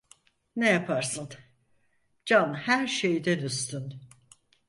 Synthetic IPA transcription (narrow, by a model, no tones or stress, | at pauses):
nejapʰaɾsɯn | d͡ʒanhæɾʃejd̪ænyst̪yn